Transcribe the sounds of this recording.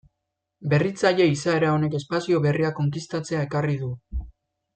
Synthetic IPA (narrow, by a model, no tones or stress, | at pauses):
be̞rit͡saʎe̞isae̞ɾao̞ne̞ke̞spasio̞βe̞riako̞ŋkist̪at͡se̞aekariðu